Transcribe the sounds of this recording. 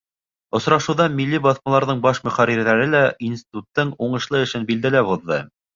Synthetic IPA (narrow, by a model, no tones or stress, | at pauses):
ŏsɾɑʃŭwðɑmilːibɑθmɑlˠɑɾðɤɴbɑʃmɵ̆χæɾiɾðæɾɘlæinsʲt̪ʲi̥t̪ut̪ːɤɴuɴɤ̆ʃlˠɤɘ̆ʃɘnbild̪ælæbuðːɤ̰